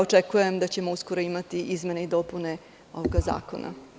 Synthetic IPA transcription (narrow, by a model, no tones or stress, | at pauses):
ot͡ʂekujemd̪at͡ɕe̞mo̞usko̞ɾo̞imat̪iʔizme̞ne̞id̪o̞pune̞ | o̞̰ʋoɡaza̰ːko̞̰nʔa̰